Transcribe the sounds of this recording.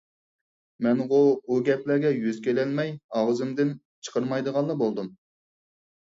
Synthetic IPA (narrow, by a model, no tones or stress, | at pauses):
mɛnʁubuɡʲɛplæɾɡʲɛjyzkʲelɛlmɛjɑʁəzɨmd̪ɪn | t͡ʃʰə̥qʰəɾmɑjd̪əʁɑnˠɑbolˠd̪um